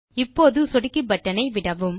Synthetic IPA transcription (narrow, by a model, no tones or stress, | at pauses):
ɪpːoːðɯsɔɽɪkːɯbɐʈːɐnɐɪʋɪɽɐʋɯm